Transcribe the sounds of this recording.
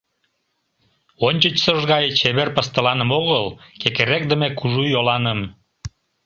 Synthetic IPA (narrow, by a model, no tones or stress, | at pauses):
onʲt͡ɕət͡ɕsəʒɣɑjet͡ɕeβerpəst̪əlɑnə̆moɣəlkekeɾek̚d̪əmekuʒujolɑnəm